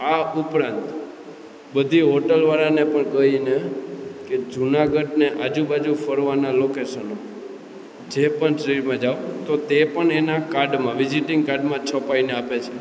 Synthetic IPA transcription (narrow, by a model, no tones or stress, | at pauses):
aupɾãnt̪ | bəd̪ʱiɦoʈəlʋaɾanepəɳkəineked͡ʒunaɡəɖneʔad͡ʒũbad͡ʒufəɾʋanalokeʃəno | d͡ʒepəɳsəɾiɾmãd͡ʒaʋt̪ot̪epəɳenakaɾɖmãʋɪd͡ʒiʈɪ̃ŋɡ̚kaɾɖmãt͡ʃʰɔpaineapet͡ʃʰe